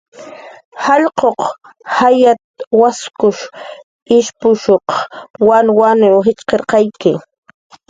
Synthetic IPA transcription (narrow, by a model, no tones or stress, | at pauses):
hɑʎqoq | hajat̪waskʊʃ | ɪʃpʊʃoqwanwanɪwɦɪt͡ʃqeɾqɑjkɪ